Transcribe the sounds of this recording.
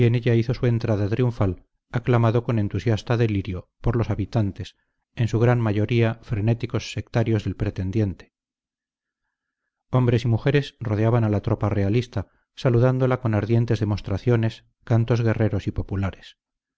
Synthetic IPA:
ie̞ne̞ʎaiθo̞sue̞nt̪ɾaðat̪ɾiuɱfal | aklamaðo̞ko̞nẽ̞nt̪usjast̪aðe̞liɾjo̞poɾlo̞saβit̪ant̪e̞s | e̞nsuɣ̞ɾanmaʝo̞ɾiafɾe̞ne̞t̪iko̞sːe̞k̚t̪aɾjo̞zðe̞lpɾet̪e̞nd̪je̞nt̪e | o̞mbɾe̞simuxe̞ɾe̞sro̞ð̞eaβanalat̪ɾo̞pare̞alist̪a | saluðand̪o̞lako̞naɾðje̞nt̪e̞zðe̞mo̞st̪ɾaθjo̞ne̞s | kant̪o̞zɣe̞re̞ɾo̞sipo̞pulaɾe̞s

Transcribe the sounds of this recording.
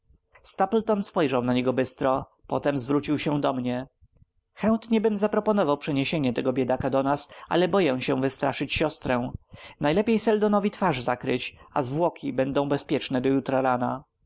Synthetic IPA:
st̪aplt̪ɔnspɔjʐawnaɲɛɡɔbɘst̪ɾɔ | pɔt̪ɛmzvɾut͡ɕiwɕɛ̃d̪ɔmɲɛ | xɛnt̪ɲɛbɘmzapɾɔpɔnɔvawpʂɛɲeɕeɲɛt̪ɛɡɔbʲjed̪akad̪ɔnasʔa̰lɛbɔjɛw̃ɕɛ̃vɘst̪ɾaʂɘt͡ɕɕɔst̪ɾɛ̃najlɛpʲjejsɛld̪ɔnɔvʲit̪faʐzakɾɘt͡ɕazvwɔkʲʰibɛnd̪ɔ̃w̃bɛspʲjɛt͡ʂnɛd̪ɔjut̪ɾaɾana

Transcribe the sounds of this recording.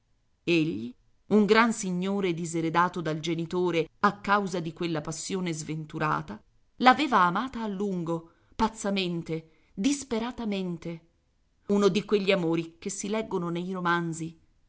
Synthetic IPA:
eʎːi | uŋɡɾansiɲːoːɾed̪izeɾed̪aːt̪od̪ald͡ʒenit̪oːɾeakːawzad̪ikwelːapasːjoːnezvent̪uɾa̰ːt̪a | laveːvaːmaːt̪aːlːuŋɡo | pat̪sːament̪e | d̪ispeɾat̪ament̪e | unod̪ikweʎːiamoːɾikesːilɛɡːononejɾomand̪zi

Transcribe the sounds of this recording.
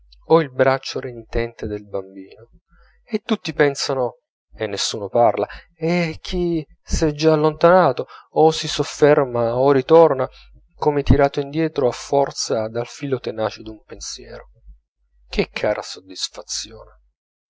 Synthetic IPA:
ɔilbɾat͡ʃːoɾeɲit̪ɛnt̪ed̪elbambiːno | et̪ːut̪ːipɛnsano | enːesːuːnoparla | ɛkʰːi | sɛd͡ʒaːlːont̪anaːt̪oːsisofːɛrmaorit̪orna | komet̪iɾaːt̪oind̪jɛːt̪ɾoafːɔrt̪sad̪alfiːlot̪enaːt͡ʃed̪umpensjɛːɾo | k̟ʰekʰːaːɾʔa̰sod̪ːisfat̪sːjoːne

